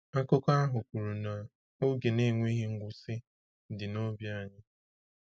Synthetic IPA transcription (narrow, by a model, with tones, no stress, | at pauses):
a˦kʊ˦ka˦ɦʊ˨ku˨ɾu˨na˨ | o˦ɡe˨ne˦ŋʷe˦ɦɪ˦ŋ̩˦ɡʷʊ˦sɪ˦ | dɪ˨no˦bja˦˨ɲɪ˦